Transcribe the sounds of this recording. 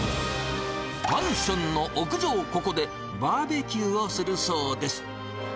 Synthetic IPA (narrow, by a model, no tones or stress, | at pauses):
hãɰ̃ɕɨ̃nːo̞ʔokɯ̟ʑoːko̞ko̞d̪e̞ | baːbe̞kʲɨːosɨɾɯ̟soːd̪e̞sɨ̥